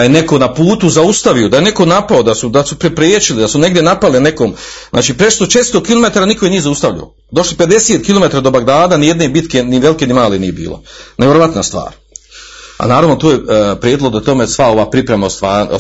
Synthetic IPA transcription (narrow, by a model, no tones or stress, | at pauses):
ajene̞ko̞napuːt̪uzaust̪aʋio̞d̪ajene̞ko̞napaod̪asud̪asupɾepɾjeːt͡ʃilid̪asune̞ɡd̪jenapaliane̞koːm | znʔaːt͡ʃiːpɾe̞st̪o̞ʃe̞t̪st̪o̞kilˠo̞me̞t̪aːɾaniko̞jenijezaust̪aʋʎa̰o̰ | d̪o̞ʃlipe̞d̪e̞se̞ːt̪kilo̞me̞t̪aɾad̪o̞baɡd̪aːd̪anijed̪ne̞bit̪ke̞niʋelike̞nimaːlenḭje̞bḭːlo̞̰neʋjeɾoʋat̪nast̪ʋa̰ːɾ | a̰naːɾaʋnot̪oːjepɾjeːd̪loɡ̚d̪at̪o̞mesʋao̞ʋaːpɾipɾemaost̪aː